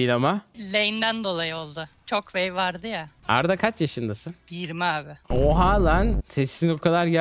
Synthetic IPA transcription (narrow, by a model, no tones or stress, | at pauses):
ilʲamalʲejind̪ænd̪o̞lˠajɯo̞lˠd̪ʊt͡ʃʰokvejvaɾd̪ɯjaa̰ɾd̪akʰat͡ʃjaʃɯnd̪asɯnbiɾmɛaːbɪoɦaːlˠansesːiniokʰad̪ˠaɾɟæ